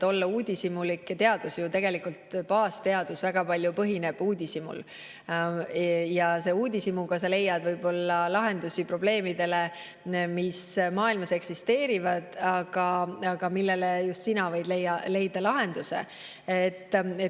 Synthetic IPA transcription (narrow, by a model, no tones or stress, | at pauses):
o̞lːɑuːd̪ʲisimulikːt̪e̞ɑd̪̥usjut̪e̞ɡ̥e̞likult̪pɑːst̪e̞ɑd̪̥usvæɡ̥ɑpɑlʲjupɤɦine̞b̥uːd̪ʲisimṵl | jɑse̞ːuːd̪ʲisimuɡɑsɑle̞jːɑd̪vɤjb̥o̞lːɑlɑɦe̞nd̪usipro̞b̥le̞ːmid̪̥e̞le̞ | mismɑːilmɑse̞ksist̪e̞ːɾivɑd̪̥ɑɡ̥ɑɑɡ̥ɑmilːe̞lejust̪sinɑvɤjd̪̥le̞jːɑle̞jd̪ɑlɑɦe̞nd̪̥use̞̰ | et̪ːˑe